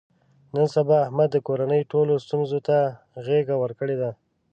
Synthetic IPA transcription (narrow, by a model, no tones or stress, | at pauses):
nənsabɑːhmad̪ːəkoɾanəjʈolost̪unzot̪a | ɣeɡawəɾkəɽed̪a